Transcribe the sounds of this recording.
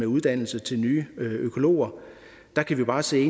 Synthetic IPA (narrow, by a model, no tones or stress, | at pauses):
euð̞ˠd̥æn̰l̩sət͡sʰe̝lnyːøøkʰo̝lo̝̰ːɐ | d̥ɑ̈kʰæʋib̥ɑ̈ːse̝̰ːe